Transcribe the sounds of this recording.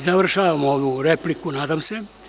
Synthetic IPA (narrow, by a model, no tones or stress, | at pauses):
zaʋr̩ʃaːʋamoʋuɾeplikunaːd̪amse̞